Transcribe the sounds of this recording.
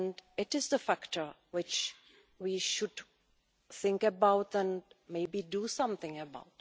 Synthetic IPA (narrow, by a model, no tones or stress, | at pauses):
nɖɪʈɪzd̪əfækʈʰə˞ | wɪt͡ʃ | ʋiʃʊɖ | θɪ̃ŋkəbaʊtə̃nmeɪbiɖusʌ̃mt̪ɪ̃ŋəba̰ʊt